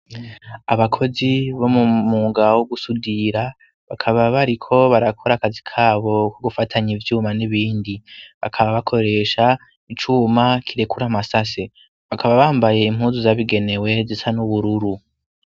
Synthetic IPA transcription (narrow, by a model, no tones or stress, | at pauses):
aβakʰo̞ziβo̞mumuːɡawoɡusudiɾa | βakʰaβaβaɾikʰo̞βaɾakʰo̞ɾakazikʰaːβo̞koɡufatʰaɲivjuːmaniβiːndiβa̰kʰaβaβakʰo̞ɾe̞ːʃa | it͡ʃumakʰiɾe̞kuɾamasase̞ | βakʰaβaβaːmbaje̞im̥huːnzuzaβiɡe̞ne̞we̞zisanuβuɾuɾu